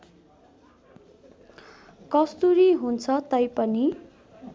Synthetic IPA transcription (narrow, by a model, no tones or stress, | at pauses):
kʌst̪uɾiɦunt͡sʰʌt̪ʌjpʌni